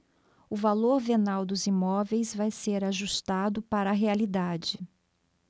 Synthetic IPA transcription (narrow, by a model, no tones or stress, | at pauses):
ʊvaloɾvenawd̪ʊzimɔvejzvajseɾaʒust̪ad̪ʊpaɾɐaɦealid̪ad͡ʒɪ